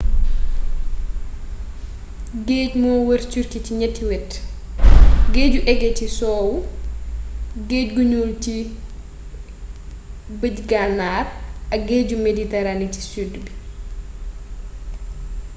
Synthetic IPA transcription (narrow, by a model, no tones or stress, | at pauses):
ɡeːcmɔːwəɾt͡ʃurkiciɲɛtːiwɛt | ɡeːɟuʔɛɡɛcisɔːwu | ɡeːcɡuɲuːlci | bəɟɡanaːrɐk̚ɡeːɟumeditɛɾanici̥sudbi